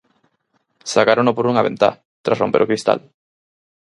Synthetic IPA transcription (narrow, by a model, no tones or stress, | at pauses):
sakaɾonopoɾuŋaβḛ̃nt̪a̰ | t̪ɾasrompeɾokɾist̪a̰l